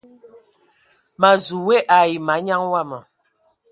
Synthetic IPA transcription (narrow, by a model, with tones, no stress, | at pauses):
ma˨zu˨we˦ʔa˨ji˨ma˨˦ɲa˦ŋwa˦˨mə˨